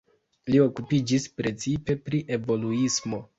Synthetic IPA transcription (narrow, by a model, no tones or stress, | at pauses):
lio̞kupid͡ʒispɾe̞t͡sipe̞pɾiʔe̞vo̞luismo̞